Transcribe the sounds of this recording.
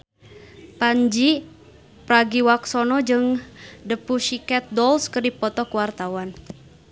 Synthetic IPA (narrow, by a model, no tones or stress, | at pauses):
paɲd͡ʒi | pɾaɡiwaksɔnɔd͡ʒɨŋdəpuʃikɛt̪̚dɔlskɨrdipɔt̪ɔkuwart̪awan